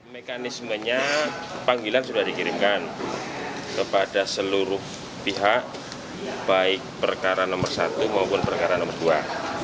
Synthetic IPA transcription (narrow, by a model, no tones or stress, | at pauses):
mekanisməɲa | paŋɡilansudahdikiɾiŋkan | kəpadasəluɾʊh | piɦaʔ | b̥aɪk̚pərkaɾanɔmərsat̪umaupʊnpərkaɾanɔmərdua